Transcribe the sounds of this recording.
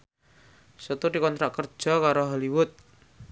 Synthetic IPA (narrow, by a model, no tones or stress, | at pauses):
sət̪ud̪ikɔnt̪ɾaʔkər̥ʒ̥a̤kaɾoɦaliwʊt̪̚